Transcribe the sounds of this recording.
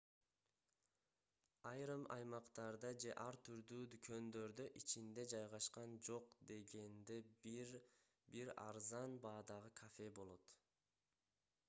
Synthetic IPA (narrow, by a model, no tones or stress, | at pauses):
ɑjɾɯmɑ̰jmɑqt̪ɑɾd̪ɑd͡ʒe̞ʔɑɾt̪ʰyɾd̪yːd̪ykʰø̞nd̪ø̞ɾd̪yʔit͡ʃʰind̪e̞d͡ʒɑjʁɑʃqɑnd͡ʒo̞qd̪e̞ɡe̞nd̪e̞bɾ | biɾɑ̰ɾzɑnbɑːd̪ɑʁɯkʰafe̞bo̞lˠo̞t̪